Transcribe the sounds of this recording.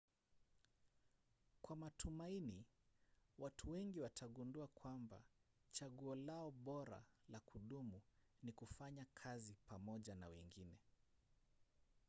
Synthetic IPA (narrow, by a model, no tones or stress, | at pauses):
kwamatumaini | watʰuwɛŋɡiwatʰaɠunduakwamba̰t͡ʃaɠuɔlaɔɓɔɾa̰lakuɗumu | nikufaɲakʰazipamɔʄana̰wɛŋɡinɛ